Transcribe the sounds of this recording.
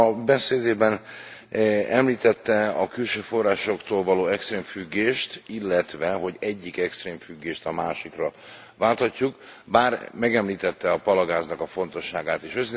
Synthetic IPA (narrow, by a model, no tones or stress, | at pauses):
ɒbɛseːd̪eːbɛn | ɛmliːt̪ɛt̪ːɛɒkylʃøːfo̞rːaːʃo̞kt̪oːlvɒloːɛkst̪reːɱfyɡːeːʃt̪ilːɛt̪ʋɛɦo̞ɟɛɟːikɛkst̪reːɱfyɡːeːʃt̪ɒmaːʃikrɒ | vaːlt̪ɒcːukbaːrmɛɡɛmliːt̪ɛt̪ːɛɒpɒlɒɡaːznɒkɒfo̞n̪t̪o̞ʃːaːɡaːt̪eːʃøz